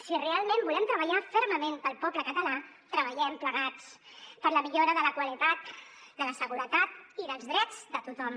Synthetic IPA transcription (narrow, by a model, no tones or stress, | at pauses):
sirealˠmẽmbulɛmt̪ɾəβəʎafəɾməmenpəlˠpɔpləkət̪əla | t̪ɾəβəʎɛmpləɣat͡spəɾləmiʎoɾəðələkwəlit̪at̪d̪ələsəɣuɾət̪at̪iðəlˠzðɾɛd͡zd̪ət̪ut̪ɔm